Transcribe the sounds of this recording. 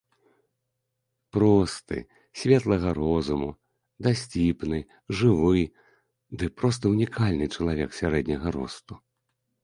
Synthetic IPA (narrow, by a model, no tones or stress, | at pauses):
pɾɔst̪ɨ̰ | sʲvʲɛt̪lˠɐɣɐɾɔzumu | d̪asʲt͡sʲipnɨ | ʐɨvɨj | d̪ɨpɾɔs̬t̪ɐunʲikʰalʲnɨt͡ʂɐlˠavʲɛksʲaɾɛd̪nʲɐɣɐɾɔ̰st̪u̥